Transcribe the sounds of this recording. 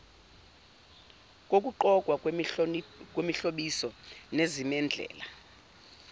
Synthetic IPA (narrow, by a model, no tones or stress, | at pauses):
kʼokʼuǃɔkʼwa | kʼwemiɬoɓisɔnezimɛnd͡ɮʱɛ̰ːla